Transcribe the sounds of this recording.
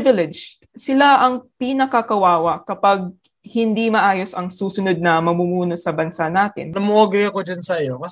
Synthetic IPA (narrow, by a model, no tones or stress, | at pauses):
vɪlɛd͡ʒt̪ | sɪlaʔɐŋpinɐkɐkɐwaːwɐkɐpaɡ̚ | hɪnd̪imɐʔaːjo̞sɐŋsuːsʊnod̪̚nɐmɐmumuːno̞sɐbɐnsanaːt̪ɪ̰nlɐmʔoɡɾiɐkod͡ʒɐnsɐjokɐ